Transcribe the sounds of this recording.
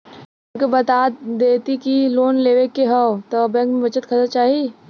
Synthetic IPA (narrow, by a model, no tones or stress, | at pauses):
kebɐt̪aːd̪eːt̪ikiloːnleːʋekeɦɐt̪obɛ̃ːkmẽʋɐt͡ʃət̪kʰɐt̪at͡ʃaːɦi